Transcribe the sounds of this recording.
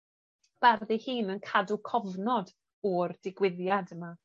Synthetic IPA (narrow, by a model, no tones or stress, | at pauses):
b̥arðihɨːnənkʰadukʰɔvnɔd | ɔrd̥ɪɡwɪðjadəma